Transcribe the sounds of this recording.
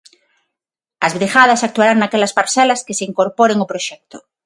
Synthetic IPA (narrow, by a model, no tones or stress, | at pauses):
azβɾixað̞asak̚t̪uwaɾaŋnakelaspaɾselaskeseiŋkoɾpoɾeŋopɾoʃɛk̚t̪o̥